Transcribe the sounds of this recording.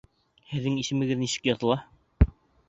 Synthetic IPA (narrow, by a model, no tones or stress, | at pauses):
hɘ̆ðːɘŋisɘ̆mɘ̆ɡɘðnisɘ̥kjɑt̪ɤ̆lˠɑ